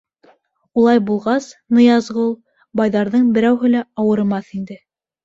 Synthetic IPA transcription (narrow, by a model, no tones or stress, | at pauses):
ulˠɑjbulˠʁɑsnɤ̆jɑzʁɤulˠ | bɑjðɑɾðɤɴbɘ̆ɾæwɦɘ̆læɑwɤ̆ɾmɑθind̪ɘ